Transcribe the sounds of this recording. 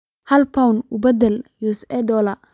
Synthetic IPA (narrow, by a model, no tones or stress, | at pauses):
hɐlpʰɐwnubɐd̪ɛljusɛd̪ɔlɐ